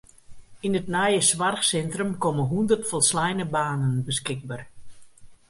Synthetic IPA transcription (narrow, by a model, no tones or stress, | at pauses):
inətnajəsʋarxsɛntrəmkɔməɦundərtfɔlˠslɛjnəbaːnənbəskɪɡ̚bar